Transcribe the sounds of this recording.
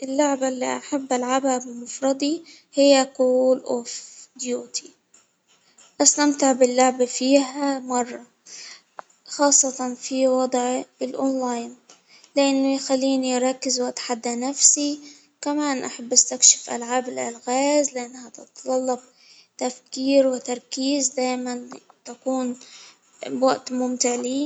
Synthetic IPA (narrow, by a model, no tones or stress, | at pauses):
ʔɪlːʊʕbalːḭʔaħabːʔalʕabhabɪmʊfɾˤɑd̪ˤi | hɪjːakuːlʔofd̪juːt̪ʰi̥ | ʔast̪amt̪ɪʕbɪlːʊʕbafiːɦamɑrˤːɑ | xɑːsˤːɑt̪ɑnfiwɑd̪ˤʕɪlʔonlajn | lɪʔanːʊjxalːiːniʔɾˤɑkːɪzwaʔt̪ħad̪ːanafsi | kamaːnʔaħabːʔast̪akʃɪ̥fʔa̰lʕaːbɪlʔalɣaːzlɪʔanːhat̪ɪt̪d̪ˤɑlːɑb̚ | t̪afkiːɾwɪt̪ɑɾˤkiːzd̪aːjmant̪akuːn | waʔt̪mʊmt̪ɪʕli